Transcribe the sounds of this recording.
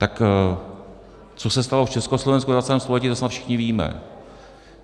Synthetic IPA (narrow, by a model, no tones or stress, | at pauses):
t̪ak | t͡sosɛst̪aloft͡ʃɛskoslo̞vɛnskuvat͡sɛlɛːmst̪olɛciːt̪asnat̪fʃɪ̥xɲɪviːmɛ̰